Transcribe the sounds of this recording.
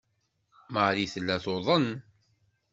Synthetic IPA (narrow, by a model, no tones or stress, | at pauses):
məɾiθəlːæθoðˤən